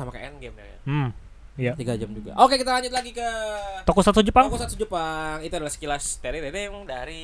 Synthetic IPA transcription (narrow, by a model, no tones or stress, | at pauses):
amakaɛnɡɛma̰ja̰ | jat̪iɡad͡ʒamd͡ʒuɡa̰ʔokekit̪alaɲd͡ʒʊt̪̬laɡikət̪okɔsat̪usud͡ʒupakɔsat̪usud͡ʒupaŋit̪uadalahsə̥kilast̪eɾidedɛŋdaɾi